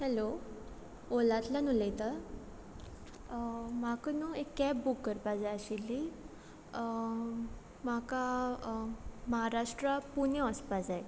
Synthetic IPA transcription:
hɛlo | olat̪lanulət̪ə | makənuekːɛp̚bukːəɾpad͡zajəɕilːi | maka | məɦaɾaʂʈɾəpunjəɔspad͡zaj

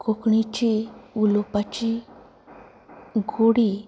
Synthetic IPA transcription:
kokɳit͡ʃiulɔpat͡ʃi | ɡoɽi

